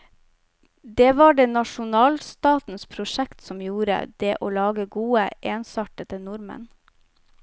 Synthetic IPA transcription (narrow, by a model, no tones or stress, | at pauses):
d̪eːʋɑːɖeːnɑʂʊnɑːlst̪ɑːt̪n̩spʰɾʊʂɛkt̪sɔmjuːɾə̰d̪eːʔoːlɑːɡəɡuːəʔeːnsɑʈət̪ənʊɾmə̰n